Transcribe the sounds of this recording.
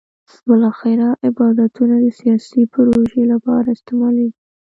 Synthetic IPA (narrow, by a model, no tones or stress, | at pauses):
bɪlɑxɪɾaʔɪbɑd̪at̪ʰunad̪əsijɑsipɾoʒelapɑ̰ɾaɪst̪ɪmɑleɡi